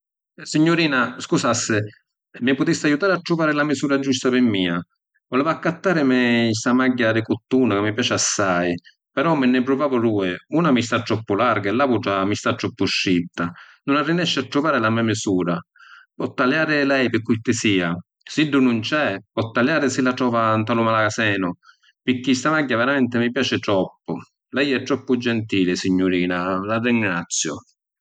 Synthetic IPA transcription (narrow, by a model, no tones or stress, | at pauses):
siɲːʊɾiːnaskusasːɪ | mɪpʊt̪isːajut̪aːɾɪat̪ːɾuvaːɾɪlamɪsuːɾad͡ʒust̪apɪmːiːa | volɛːvʊakːat̪ːaːɾɪmɪsamaɟːadɪkʊt̪ːuːnakɪmːɪpjaːt͡ʃɪasːaj | pɛɾɔmːɪnːɪp̬ɾʊvaːvʊɾuːɪunamist̪at̪ːɾɔpːʊlaɾɡaɛlːavuʈamist̪at̪ːɾɔpːʊʃːit̪ːa | nʊnarːinɛʃːɪat̪ːɾʊvaːɾɪlamɛmɪsuːɾa | pɔt̪ːaljaːɾɪlɛjpɪkːujt̪ɪsiːa | siɖːʊnʊnt͡ʃɛpɔt̪ːaljaːɾɪsilːatɾɔːvant̪alʊmalakasɛːnʊ | pɪkːist̪amaɟːavɛɾamɛnt̪ɪmɪp̬jaːt͡ʃɪt̪ɾɔpːʊ | lɛjɛt̪ːɾɔpːʊd͡ʒɛnt̪iːlɪsiɲːʊɾiːnalarːiŋɡɾat̪sːjʊ̰